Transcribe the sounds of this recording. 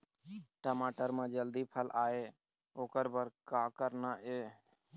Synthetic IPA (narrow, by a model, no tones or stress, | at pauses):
ʈəmaːʈəɾmãd͡ʒəld̪iːpʰəlʔaːeː | oːkəɾbəɾkaːkəɾnaːʔeː